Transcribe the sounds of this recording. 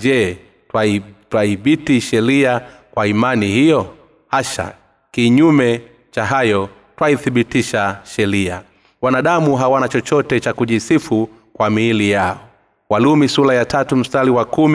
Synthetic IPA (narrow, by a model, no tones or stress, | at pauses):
ɛ | atwaiɓitiʃɛɾia | kwaimanihijɔ | haʃa̰ | kiɲumɛ | t͡ʃaɦajɔ | twaiθiɓitiʃaʃɛɾia | wanaɗamuɦawanat͡ʃɔt͡ʃɔtɛt͡ʃakuʄisifu | kwamiːlijaɔ | walumisulajatatum̩staliwakumi